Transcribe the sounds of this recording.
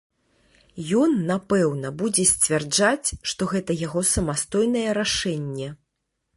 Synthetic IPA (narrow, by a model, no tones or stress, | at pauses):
jɔnːapɛwnɐbud͡zʲɛsʲt͡sʲvʲard͡ʐat͡sʲʂt̪ɔɣɛt̪ɐjaɣɔsɐmast̪ɔjnɐjɛɾaʂɛnʲːɛ